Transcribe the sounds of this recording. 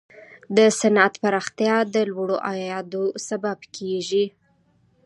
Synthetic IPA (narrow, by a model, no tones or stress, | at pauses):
d̪əsanat̪paɾɑxt̪jɑd̪əlwaɽoʔajɑd̪osababkʰeʒi